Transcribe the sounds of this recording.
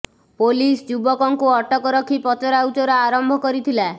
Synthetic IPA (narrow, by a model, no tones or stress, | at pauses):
polisd͡ʒubɔkɔŋkuɔʈɔkɔɾɔkʰipɔt͡ʃɔɾawt͡ʃɔɾɔaɾɔmbʱɔkɔɾit̪ʰila